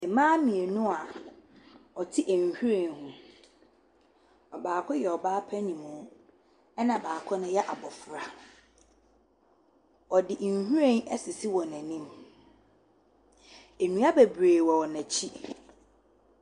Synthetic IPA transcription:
ɛ˨mãː˦mĩ˨e˨nʊ̃˦a˨ | ɔ˨tʰi˦ʔæ˨ɲ˨hu˦ɾẽ˨nhʊ̃˦ | ɔ˨baː˨kʰʊ˦jɛ˨ɔ˨baː˦pʰæ˦nĩ˨mʊ̃˨˦ | ɛ˦nã˨baː˨kʰɔ˦nʊ̃˦jɛ˦ʔa˨bɔ˨fɾa˨ | ɔ˨dɪ˨ʔn̩˨hu˦ɾẽ˦nɛ˦sɪ˨si˦wɔ˨næ̃˨nĩ˦m | e˨nũ˦a˦be˨bɾeː˨wɔ˨ɔ˨næ̃˨t͡ɕʰi˦

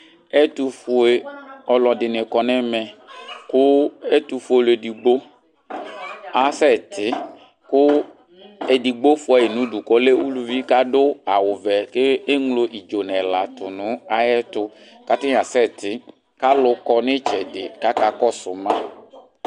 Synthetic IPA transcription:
ɛ˦t̪u˧fʊ˦e˦ɔ˨lɔ˨dɪ˨nɪ˨kɔ˨nɛ˦mɛ˨kʊ˦e˦tu˧fu˨˦e˨le˨di˨ɡ͡bo˦ | a˨sɛ˦˨t̪ʰɪ˦ | kʊ˦ | e˨di˨ɡ͡bo˦fɔ˨e˨nʊ̃˨˦du˨kɔ˦le˦wu˦lu˨vi˦ka˦dʊ˦a˨wʊ˨vɛ˨ke˦e˦ŋlo˨ʔi˨d͡ʒo˨nɛ˨la˨tʊ˨nʊ̃˨˦a˦jɛ˦tʊ˦ | ka˨tɪ˦˨a˨sɛ˦˨t̪ɪ˨˦ | ka˦lʊ˦kɔ˧nɪ˦t͡ʃɛ˨dɪ˨ka˦ka˨kɔ˦sʊ˨mã˦

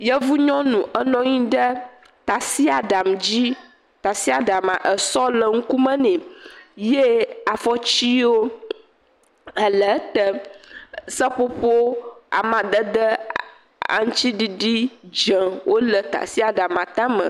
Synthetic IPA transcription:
jə˦vu˦ɲɔ̃˦nũ˨ʔə˦nɔ̃˦ɲĩ˦ɖə˦ | t̪a˨si˦a˨ɖa˨md͡ʑi˦ | t̪a˨si˦a˨ɖa˨mã̰˨ʔə˨sɔ˦lə˨ŋ̩˦ku˦mə̃˦nɛ̃˨je˦a˨fɔ˦t͡ɕi˦wo˦ | ə˨lə˨˦t̪ə˦ | sə˦po˦ɸo˦a̰˨mã˨d̪ə˦d̪ə˦ | a̰˨ŋ˦t͡ɕi˦ɖi˨ɖi˦d͡ʒə˨wʔo˦lə˨t̪a̰˨si˦a˨ɖa˨mã˨t̪ã˦mə̰̃˨

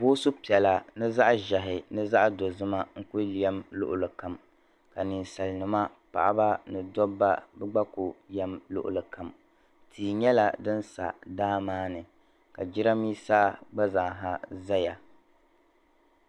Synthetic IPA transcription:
bʊ˦so˦pi˨ɛ˨la˨nɨ˦za˦ʔʒa˨ɦɪ˨nɨ˦za˦ʔdo˨zɨ˦ma˦ŋ̩˦kʊ˦lɛ˦mlʊ̰˦ʔʊ˨lɨ˨ka˨m | ka˨nɨ˨nsa˨lnɨ˨ma˦pa̰˨ʔa̰˦ba˦nɨ˨dɔ˦bːa˦bɛ˦ɡ͡ba˦kʊ˨jɛ˦mlʊ̰˦ʔʊ̰˨lɨ˨ka˨m | tʰiː˨ɲɛ˦la˨dɨ˦nsa̰˨daː˦maː˦nɨ˨ | ka˨d͡ʒɪ˦ɾa˦miː˦saː˦ɡ͡ba˦za˨ŋɦa˦za˦ja˨

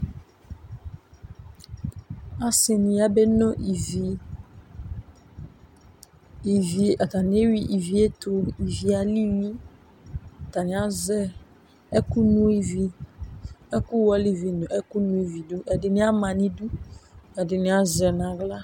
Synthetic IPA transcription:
a˦sɪ˨nɪ̃˨ja˦be˦nɔ̃˦ʔi˨vi˨ | i˨vi˨˦˨a˨t̪a˨nɪ̃˨˦e˦ɥi˦ʔi˨vi˨e˦t̪ʰʊ˦i˨vi˨a˨li˦nũ˦˨ | t̪a˨nɪ̃˨˦a˦zɛ˦ | ɛ˦ku˦nũ˦i˦˨vi˨ | ɛ˦kʊ˦wɔ˦li˨vi˨nʊ̃˨ʔɛ˦ku˦nũ˦i˨vi˨du˦ʔɛ˨dɪ˨nɪ̃˦a˦mã˨nɪ̃˦du˦ɛ˨dɪ˨nɪ̃˨a˨zɛ˨nã˨ɡla˦

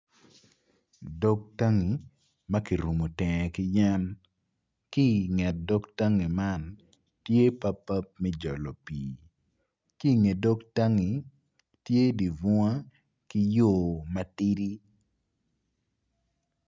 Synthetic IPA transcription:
dɔ˦k̚ta˦ŋi˨ | ma˦ki˨ɾu˨mo˨tɛ˨ŋ˨kɪ˦ja˦n | ki˦ŋɛ˨t̚dɔ˦kta˦ŋi˨ma˦˨n | tje˦pa˦pːa˦p̚mɛ˦d͡ʒɔ˨lɔ˨piː | ki˦˨ŋe˨do˦kta˦ŋi˨ | tje˦di˨vʊ˦a˦ | ki˦joː˦˨ma˦ti˦ɾi˦

